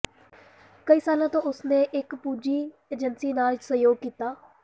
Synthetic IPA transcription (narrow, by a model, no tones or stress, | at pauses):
kəiːsaːlãːt̪õːʊsneːʔɪkpuːd͡ʒiː | eːd͡ʒənsiːnaːlsəjoːɡ̚kiːt̪aː